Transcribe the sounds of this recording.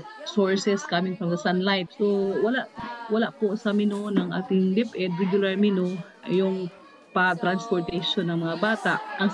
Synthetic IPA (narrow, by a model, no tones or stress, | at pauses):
soɹsɛskamɪŋfɾɐmd̪ɐsanlajfsowɐlaʔwɐlaʔposɐmɪnonɐŋʔa̰ːt̪ɪŋd̪ɪpʔɛd̪ɹɛɡjʊlɐɹmɪno | jʊŋ | pɐt̪ɾanspoɹt̪ɐjʃonːɐŋmɐŋabaːt̪aʔʔɐŋ